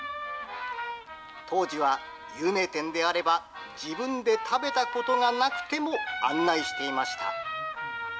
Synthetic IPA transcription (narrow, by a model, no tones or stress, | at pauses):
t̪ʰo̞ːʑiβ̞a | jɯ̟ːme̞ːt̪ẽ̞nd̪e̞aɾe̞ba | d͡ʑibɯ̟̃nd̪e̞t̪ʰabe̞t̪ako̞t̪o̞ŋanakɯ̟̥t̪e̞moã̰nːaiɕi̥t̪e̞imaɕi̥t̪a̰